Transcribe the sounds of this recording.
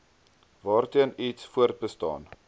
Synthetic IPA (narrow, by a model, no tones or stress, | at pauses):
vɑːrtiənitsfuərt̪̚bəstɑ̰ːn